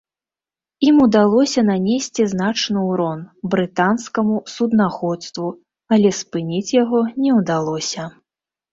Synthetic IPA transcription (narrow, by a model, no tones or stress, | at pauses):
imud̪alˠɔsʲɐnanʲesʲt͡sʲiznat͡ʂnɨwɾɔnbɾɨt̪anskɐmusud̪naxɔt̪st̪vu | ɐlʲɛspɨnʲit͡sʲjaɣɔnʲɛwd̪alˠɔsʲɐ